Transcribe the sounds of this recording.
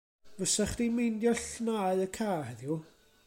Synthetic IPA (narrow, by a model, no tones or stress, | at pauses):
vəsaχd̥imejndjɔɬnaːɨəkʰaːhɛðju